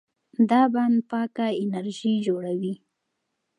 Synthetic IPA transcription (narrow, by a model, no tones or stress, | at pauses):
d̪ɑband̪pɑkaɪnaɾʒid͡ʒoɽawi